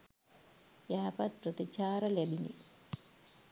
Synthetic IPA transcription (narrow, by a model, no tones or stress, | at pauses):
jaːpɐt̪̚prət̪it͡ʃaːɾɐlæbinḭ